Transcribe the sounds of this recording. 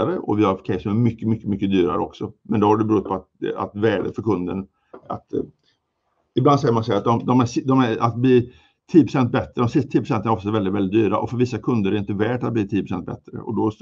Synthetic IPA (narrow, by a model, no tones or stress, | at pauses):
aɾəʔɔ̰vɪhaɾfkʰɛɪsɔmæɾmʏkːəmʏkːəmʏkːəd̪yːɾa̰ɾə̰ɔ̰ksɔmɛnd̪ɔhaɖɛbɛɾuːt̪̚pʰɔat̪̚a̰t̪vɛːɖəfœɾkʰɵnd̪ə̰n | a̰t̪ | ɪblansɛjəɾmanshæat̪̚d̪ɔmd̪ɔmæʂd̪ɔmæɾa̰t̪̚bliː | t̪ʰiːjːəpʰɾʊsɛnt̪̚bɛt̪ːɾəd̪ɔmsɪst̪at̪ʰiːəpɾʊsɛnt̪ənɾɔft̪sɛvɛld̪ɪt̪vɛld̪ɪt̪d̪yːɾa̰ʔɔfœɾvɪsːakʰɵnd̪əɾɛɾɪnt̪əvæːʈat̪̚bliːt̪ʰiːəpʰɾʊsɛnt̪̚bɛ̰t̪ɾə̰ʔɔ̰d̪ɔ